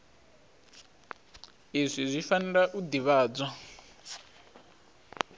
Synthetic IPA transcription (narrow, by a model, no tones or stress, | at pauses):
izʷizʷifanɛɺaʔud̪iβaːd͡zwa